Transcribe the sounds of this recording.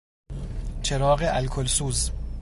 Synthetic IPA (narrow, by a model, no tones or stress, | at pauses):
t͡ʃʰeɾɒːɣeʔælkʰolsuːz